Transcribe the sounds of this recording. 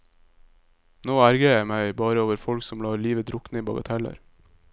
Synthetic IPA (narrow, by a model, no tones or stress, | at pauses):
noːæɾɡəjæɪmæɪbɑːɾəoːʋəɾfɔlksɔmlɑːliːʋəd̪ɾʊknəiːbɑɡɑ̰t̪ʰɛlə̰ɾ